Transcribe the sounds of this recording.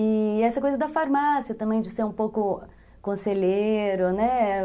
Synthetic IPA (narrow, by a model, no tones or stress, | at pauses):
ɪɛsɐkojzɐd̪ɐfaɾmasiɐt̪ɐ̃mbẽj̃d͡ʒɪseɾũpowkʊ | kõseʎeɾʊnɛ